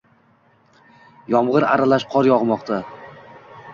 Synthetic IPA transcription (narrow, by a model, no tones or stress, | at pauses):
jɒmʁɨɾa̰ɾalaʃqʰɒɾjɒʁmɒqt̪ʰa